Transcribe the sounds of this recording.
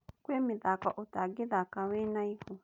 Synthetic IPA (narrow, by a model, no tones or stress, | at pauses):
kwemiðakɔʔotaɡiðakawenaiho